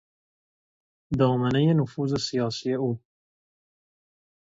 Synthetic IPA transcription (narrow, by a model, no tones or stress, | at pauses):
d̪ɑːmanajenʊfuzesijɑːsijeu